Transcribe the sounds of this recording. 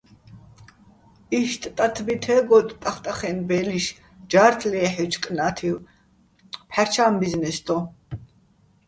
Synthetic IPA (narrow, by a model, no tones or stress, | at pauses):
iʃt̪ʼt̪ʼat̪ʰbit̪ʰɛɡɔt̪ʼt̪ʼaχt̪ʼaχɛnbɛːliʃ | d͡ʒaːɾt̪ʰlɛːħit͡ʃʰkʼnaːt̪ʰiw | pʰaɾt͡ʃʰaːmbiznɛsd̪ʰɔ